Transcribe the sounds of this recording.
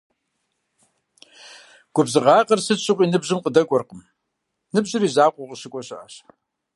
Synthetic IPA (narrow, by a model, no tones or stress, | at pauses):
ɡ̥ʷʊbzɨʁɑːqɐrsɨɕʼɨʁʷʼiːnɨbʑɨmqədɐkʷʼɔrqəm | nɨbʑɨriːzaːqʷʼʊʁəɕɨkʷʼɔɕʼɪʔɐɕ